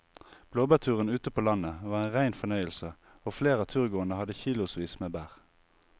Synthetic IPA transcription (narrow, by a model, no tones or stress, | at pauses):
b̥loːbæʁt̪ʰʉːʁənʉːt̪əpʰoːlɑnəʋɑːʁeːnʁæɪnfɔʁnœʏəlsə | oːfleːʁɑːt̪ʰʉːʁɡoːənəhɑd̪əçiːlʊsʋiːsmeːbæːʁ